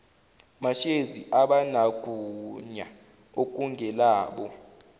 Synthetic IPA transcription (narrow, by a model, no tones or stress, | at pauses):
maʃeziʔaɓanaɡ̥ʱuɲa | ok̬ʼuŋʱɛlaːɓɔ